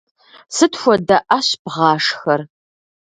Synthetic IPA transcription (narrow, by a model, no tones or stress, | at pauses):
sɨtxʷɔdɐʔaɕbʁɑːʂxɐr